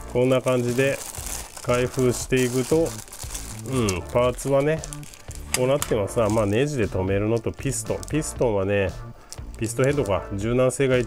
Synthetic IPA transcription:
kõ̞nːakãɲ̟d͡ʑid̪e̞kaiɸɯ̟ːɕi̥t̪e̞ikɯ̟t̪o̞ | ɯ̟̃ɴpaːt͡sɨβane̞ | ko̞ːnat̪ːe̞masɨnamaːne̞ːʑid̪e̞t̪o̞me̞ɾɯ̟no̞t̪o̞pʲisɨ̥t̪o̞̰pʲisɨ̥t̪õ̞ɰ̃βane̞ | pʲisɨ̥t̪o̞he̞d̪o̞ka̰d͡ʑɨːnãse̞ːɡai

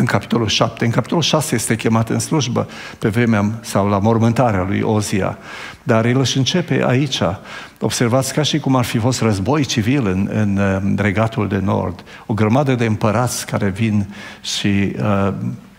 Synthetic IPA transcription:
ɨŋkapi̥t̪o̞lulʃap̚t̪e̞ɨnŋkapit̪o̞lulʃaseje̞st̪e̞kʲe̞mat̪ɨnsluʒbə̰ | pe̞vɾe̞measawlamo̞rmɨnt̪aɾealṵjo̞zia̰ | d̪arilɨʃɨnt͡ʃe̞pe̞̰ʔa̰it͡ʃa | o̞b̥se̞rvat̪sʲkaʃikumarfifo̞st̪rəzbo̞jt͡ʃivilɨnɨ̰nre̞ɡat̪uld̪e̞no̞̰rd̪ | o̞ɡɾəmad̪əd̪e̞ɨmpəɾat̪sʲkaɾe̞vinʃi

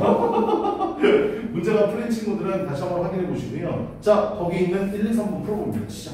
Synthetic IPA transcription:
mund͡ʑeɡapʰɯɾent͡ɕʰinɡudɯɾɯntaɕʰiamoɸaɡinɦe̞boɕʰinejot͡ɕakʌɡiinɯniɭːinsʰaŋbunpʰɯɾoboma

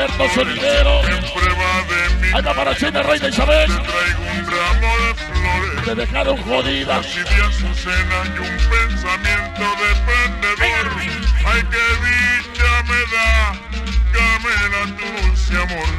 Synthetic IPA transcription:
eɾt̪oseðiðeɾosempɾeβaðemãnd̪apaɾat͡ʃend̪arajðaisaβelt̪ɾajɣumbɾaβoðefloɾet̪eðekaðoŋxoðiðaiβjesusenakumpensamjent̪oðepend̪eðoɾ | ajkeβit̪ameða | kamelat̪usjamo

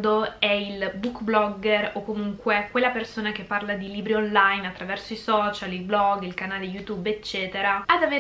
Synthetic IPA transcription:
d̪oɛilbukblɔɡːɛrokːomuŋkwekwelːapersoːnak̟epːarlad̪iliːbɾionlajnat̪ːɾavɛrsoisɔt͡ʃalilblɔɡilkanaːleijut̪ubet͡ʃːɛːt̪eɾaad̪ave

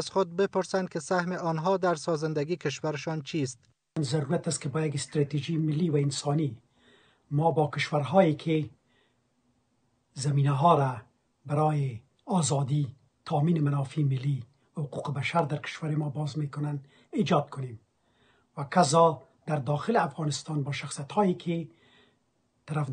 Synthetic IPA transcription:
azxʊd̪̚bɪpʊɾsand̪kɪsahmɪʔɔnɦɔd̪aɾsɒzɪnd̪aɡikɪʃwaɾɪʃɒnt͡ʃʰist̪̚ | nzaɾuɾat̪ast̪kɪbɔjaɡɪst̪ɾɑt̪ed͡ʒimɪlːiwaɪnsɑni | mɔbɔkɪʃwaɾɦɔjekʰɪ | zamiːnaɦɔɾa | baɾɔjɪ | ɑzɑd̪i | t̪ʰɑmiːnɪmanɑfimɪlːi | wahʊquqbaʃaɾd̪aɾkɪ̥ʃwaɾɪmɔbɑzmekʊnan | id͡ʒɑd̪̚kʰʊnem | wakazɑ | d̪̥aɾd̪ɑxɪlɪafɣɑnɪst̪ɑnbɔʃaxsijat̪hɔjekʰɪ | t̪aɾaf

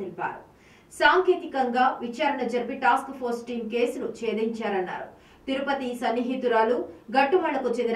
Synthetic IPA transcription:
ilipa̰ːɾu | saːŋkeːt̪ikɐŋɡaːʋit͡ʃaːɾɐɳɐd͡ʒɐɾpiʈaːskpʰoɾsʈiːmke̞ːsunut͡ʃeːd̪iɲt͡ʃaːɾɐnːa̰ːɾṵ | t̪iɾupɐt̪isɐnːiɦit̪uɾaːluːɡɐʈːubʱɐɭɐkut͡ʃend̪

